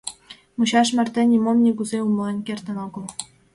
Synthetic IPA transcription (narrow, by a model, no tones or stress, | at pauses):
muɕɑʃmɑrt̪ĕnʲimomnʲiɡuzeumlˠenʲkert̪ə̆noɡɤ̆lˠ